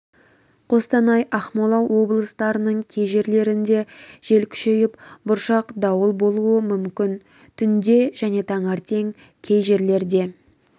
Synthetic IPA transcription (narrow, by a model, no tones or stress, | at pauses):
qʰo̞st̪ɑnɑjʔɑχmolˠɑwːo̞blˠəst̪ɑɾənəɴkʲʰe̞jʒe̞ɾle̞ɾɪnd̪e̞ʒ̥e̞lkʲʰʏ̥ʃe̞jɪpbʊɾʃɑqd̪ɑwəlˠbo̞lˠuəmʏmkʲɪn | t̪ʰʏnd̪e̞ʒæne̞t̪ʰɑɴɑɾt̪ʰe̞ŋ | kʲʰe̞jʒe̞ɾle̞ɾd̪e̞